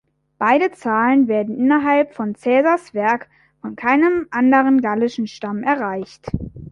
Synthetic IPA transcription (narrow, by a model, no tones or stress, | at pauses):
b̥aɪɾət͡saːlənveːɐdn̩ʔɪnɐɦalpfɔnt͡sɛːzasv̥ɛɐk | fɔnkʰaɪnəmʔandəʁənɡalɪʃn̩ʃtamʔɛɐʁaɪçt